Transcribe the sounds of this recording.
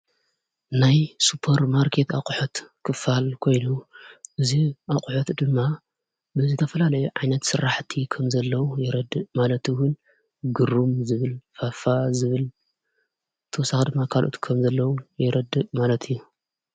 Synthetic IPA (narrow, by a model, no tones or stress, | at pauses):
najsupʰɐɾmaɾkʰe̞t̪akʼħot̪kʰɨfalkʰo̞jnuʔɨziʔakʼħot̪d̪ɨmːa | bɨzɨt̪ʰɐfɐlalɐjuʕajnɐt̪sɨɾaħt̪ʰikʰɐmzɐlːɐwujɪɾɐd̪ɨmalɐt̪ʰɨwʊn | ɡɨɾumzɨβɨlfafazɨβɨl | t̪ʰɐwɔsaxd̪ɨmːakʰalʔo̰t̪kʰɐmzɐlːɐwujɛɾɐd̪ːɨmalɐt̪ʰɨjːu